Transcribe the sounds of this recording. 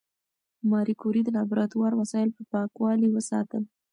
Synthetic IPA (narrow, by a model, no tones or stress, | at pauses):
mɑɾikuɾid̪ənɑbɾɑt̪wɑɾwasɑjɪlpəpɑkwɑliwəsɑ̰t̪əl